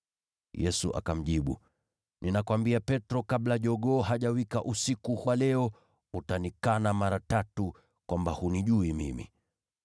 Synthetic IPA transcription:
jɛsṵʔa̰kam̩ʄiɓṵ | nʔinakwambiapɛtɾɔkaɓlaʄɔɠɔːɦaʄawikaʔusikuhwalɛɔ | utanikanamaɾatatu | kwʔambahuniʄuimḭmḭ

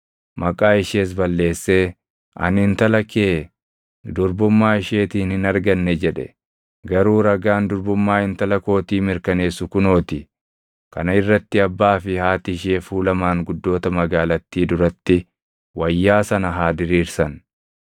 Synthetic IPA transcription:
mʔɐkʼaːɪʃeːs̬bɐlːe̞ːsːe̞ː | ʔɐ̰nɪnt̪ɐlɐkeː | d̪ʊɾbʊmːaːɪʃeːt̪iːnhɪnɐɾɡɐnːɛd͡ʒɛᶑɛ̥̰ | ɡɐɾuːɾɐɡaːnd̪ʊɾbʊmːaːhɪnt̪ɐlɐko̞ːt̪iːmɪɾkɐne̞ːsːʊkʊno̞ːt̪ɪ | kɐ̰nɐɪrːɐt̪ːɪɐbːaːfɪhaːt̪ɪɪʃe̞ːfuːlɐmaːŋɡʊd̪ːo̞ːt̪ɐmɐɡaːlɐt̪ːiːd̪ʊɾɐt̪ːɪ | wɐjːaːsɐnɐɦaːd̪ɪɾiːɾsɐn

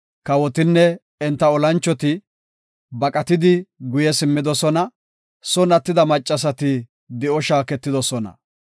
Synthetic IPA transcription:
kɐwɔt̪ɪnːɛ | ɛnt̪ːɐɔlɐnt͡ʃːɔt̪ɪ | bɐkʼɐt̪ɪd̪ɪɡʊjɛsɪmːɪd̪ɔsɔnɐ | sɔnɐt̪ːɪd̪ɐmɐt͡ʃʼːɐs̬ɐt̪ɪ | d̪ɛʔɔʃaːkɛt̪ːɪd̪ɔsɔnɐ̰

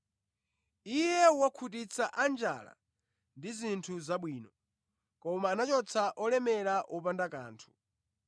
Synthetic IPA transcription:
ijɛwakʰutit͡sʰaʔand͡ʒa̰la̰ | ndizintʰuzaɓwiːnɔ | kɔmaːnat͡ʃɔt͡sʰaʔɔlɛmɛɾaʔɔpandaka̰ːntʰu̥

